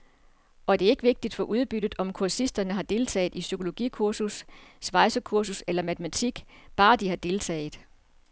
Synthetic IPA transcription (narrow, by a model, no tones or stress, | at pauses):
ɒ̽d̥e̝ɐe̝ɡ̥əʋe̝ɡ̥̚d̥id̥fɒ̽ʔuð̞ˠb̥yd̥ð̩ˠɒ̽mkʰuɐsisd̥ɐnəɦɑ̈d̥e̝lt͡sʰɛ̰ːð̩ˠisykʰo̝lo̝ɡ̥ḭːkʰuɐ̰sussʋɑ̈ɪsɐkʰuɐs̬uselɐmæt͡sʰmæt͡sʰiɡ̥b̥ɑ̈ːd̥ihɑ̈d̥e̝lt͡sʰɛ̰ːð̩ˠ